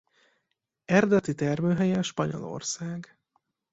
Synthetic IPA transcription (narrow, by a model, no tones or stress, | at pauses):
ɛrd̪ɛt̪it̪ɛrmøːɦɛjɛʃpɒɲo̞̰lo̰rsaːɡ